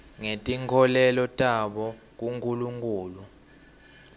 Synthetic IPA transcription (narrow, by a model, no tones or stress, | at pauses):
ŋetʼiŋkʰɔlɛlɔtʼaɓɔ | k̬ʼuŋkʼuluŋkʼuːlu